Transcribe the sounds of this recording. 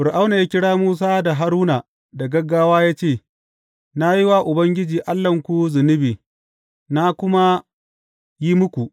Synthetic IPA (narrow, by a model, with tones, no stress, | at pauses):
fʊ˨ɾʔa˦wna˨jaː˦kʲɪ˦ɽaː˦muː˦s̬aː˦da˨ɦa˦ɾuː˦na˨ | da˨ɡɐ˦ɡːaː˦waː˦jaː˦t͡ʃeː˦˨ | na˦ji˦wa˦ʔʊ˨bɐ˦ŋɡʲɪ˦d͡ʒiː˨ʔa˦lːɐ˨ŋkʷu˦zʊ˨nɪ˦biː˨ | na˦kʷʊ˦ma˦ | jiː˦mʊ˦kʷu˨ʔ